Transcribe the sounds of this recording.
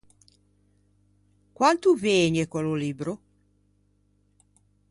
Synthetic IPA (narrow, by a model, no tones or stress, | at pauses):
kwant̪uveːɲekololibɾo